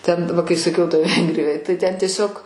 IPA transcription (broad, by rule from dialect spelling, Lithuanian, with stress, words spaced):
tʲɛn ˈʋɐ kɐɪ sɐˈkʲɛʊ toːj ˈʋʲɛŋɡrʲɪjoːj tɐɪ ˈtʲɛn tʲiɛˈsʲoːk